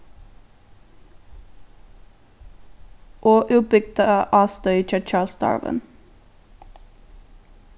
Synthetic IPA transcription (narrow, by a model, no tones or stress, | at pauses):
ʔoːʔʉːbʏɡ̚d̪əʔɑːst̪œʏt͡ʃɛt͡ʃɑːlsd̪ɑ̰ɹʋə̰n